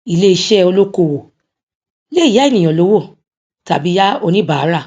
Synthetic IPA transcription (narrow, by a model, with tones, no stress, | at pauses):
i˨le˦i˧ʃɛ˦o˧lo˦ko˧˨wo˨ | le˦i˦˨ja˨˦i˦˨nĩ˨j̃ɔ̃˨lo˨˦wo˦˨ | ta˨bi˨˦ja˦o˧nĩ˦ba˨a˨˦ɾa˦˨